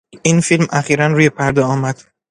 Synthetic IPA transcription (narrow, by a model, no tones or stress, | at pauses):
iːnfilmæxiːɾænɾuːje̞pʰæɾd̪ɒɒːmæd̪̥